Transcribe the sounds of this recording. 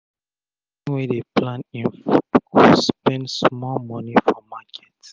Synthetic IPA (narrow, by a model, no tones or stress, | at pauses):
wedeplãnĩnfɔspɛ̃ndsmɔlmɔnifɔmakʰɛt